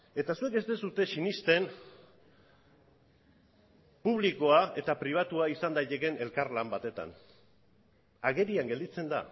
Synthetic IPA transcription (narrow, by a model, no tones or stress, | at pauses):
e̞t̪asue̞k̚est̪e̞sut̪e̞sinist̪e̞n | puβ̞liko̞ae̞t̪apɾiβ̞at̪uaisand̪ajt̪eke̞ne̞lkaɾlambat̪e̞t̪a̰n | aɣe̞ɾiaŋɡeld̪it͡se̞nd̪a̰